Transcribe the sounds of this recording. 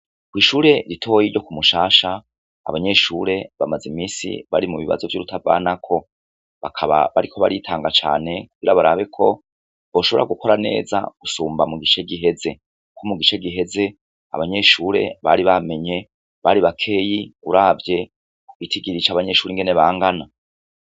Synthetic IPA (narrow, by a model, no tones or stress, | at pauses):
kwiːʃuːɾe̞ɾitʰo̞ːjiɾɟo̞kumuʃaːʃa̰ː | βaɲe̞ʃuːɾe̞βamazimiːsḭβa̰ɾimuβiβa̰zo̞vjuːɾutʰava̰ːnakʰo̞ | βakʰaβa̰βaɾikʰo̞βaɾitʰaːŋɡat͡ʃa̰ːne̞kuɡ̥iɾaβaɾaβe̞kʰo̞ | βoʃo̞βo̞ɾa̰ɡuko̞ɾane̞̰ːza̰ɡ̥usuːmbamuɡit͡ʃeɡiɦe̞ze̞ | kʰomuɡit͡ʃeɡiɦe̞ze̞ | a̰βaɲe̞ʃuːɾe̞̰βaɾiβame̞ɲe̞ | βaɾiβakʰe̞ːjiuɾaːvje̞ | kuɡ̥itʰiɡiɾit͡ʃaːβaɲe̞ʃuːɾiŋɡe̞ne̞βaːŋɡana